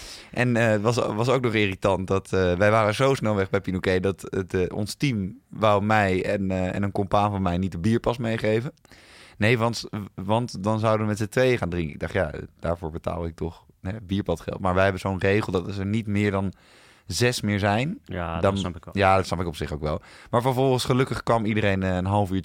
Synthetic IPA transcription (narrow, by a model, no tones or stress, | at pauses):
ʔɛntʋɑsʋɑsowk̚nɔχɪːritɑnt̚dɑtʋɛjʋaːrəzowsnɛlˠʋɛχbɛjpinokejdɑtɔ̰nstimʋawmɛjɛnɛ̰nənkɔmpaːnvɔnmɛjnit̚dəbiːɹpɑsmejχejvənejʋɑntʋɑntdɑnzʌwdəʋəmɛtsətʋejəχaːndrɪŋkɪ̰ɡ̚dɑχtja̰d̥aːɹvoːɹbəta̰ːlˠɪk̚tɔχ | ɦɛbiːɹpɑtχɛ̰lˠtmaːɹʋɛjɦɛbənzownrejχəlˠdɑtəɹnitmɪːɹdɑn | zɛsmɪːɹzɛjndnjadɔtsnɑpɪkɔpsɪχoʊwkʋɛlˠmaːɹvəɹvɔlˠχənsχəlɵkəχkʋɑmidəɾejnənɦɑlˠəfyːɹ